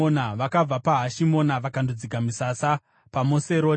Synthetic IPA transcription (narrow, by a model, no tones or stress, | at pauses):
onaʋakab͡vapaɦaʃimo̞naʋakandod͡zikamisasa | pamoseɾoː